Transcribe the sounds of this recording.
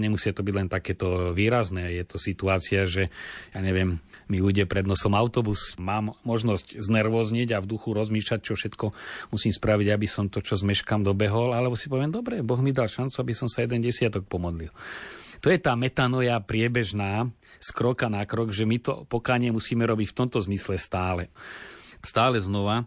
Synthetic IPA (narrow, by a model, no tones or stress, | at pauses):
ɲɛmusɪat̪ɔbiɟlɛnt̪akɛːt̪ɔʋiːɾaznɛːjɛt̪ɔsit̪uaːt͡siaʒɛjaːɲɛʋɪɛmːiujɟɛpɾɛd̪nɔsɔmaʊt̪ɔbusmaːmːɔʒnɔscznɛɾʋɔːzɲɛɟavd̪uxuɾɔzmiːʃlac̚t͡ʃɔfʃɛt̪kɔmusiːmspɾaʋiɟabisɔmt̪ɔt͡ʃɔzmɛʃkamd̪ɔbɛɦɔlalɛbɔsi̥pɔʋɪɛmd̪ɔbɾɛbɔɣmid̪alʃant͡suabisɔmsajɛd̪ɛnɟɛsɪat̪ɔk̚pɔmɔd̪lilt̪ɔjɛt̪aːmɛt̪anɔjapɾɪɛbɛʒnaː | skɾɔkanakɾɔɡʒɛmit̪ɔ̰pɔkaːɲɪɛmusiːmɛɾɔbicft̪ɔmt̪ɔzmislɛst̪aːlɛ | st̪aːlɛznɔʋa